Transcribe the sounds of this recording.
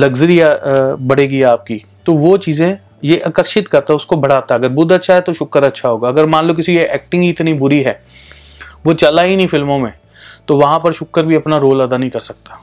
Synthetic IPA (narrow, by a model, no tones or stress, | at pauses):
lɐɡzəɾijabɐɽ̤eːɡiaːp̚ki | t̪oʋot͡ʃiːzẽ | jeʔɐkəɾʃɪt̪kɐɾt̪aɦɛʊskobʱɐɽ̤aːt̪aɦɛɐɡəɾbʊd̪ɐtːʃʰaɦɛt̪oʃʊkːəɾɐtːʃʰaɦoːɡaɐɡəɾmãːnloːk̬ɪsieɛːk̚ʈɪ̃ŋɡiɪt̪nibʊɾiɦɛː | ʋot͡ʃɐlainĩfɪlmõmẽː | t̪oʋɐɦãpɐɾʃʊkːəɾbʱiɐpnaɾoːlɐd̪anɐɦĩkɐɾsɐk̚t̪ḁː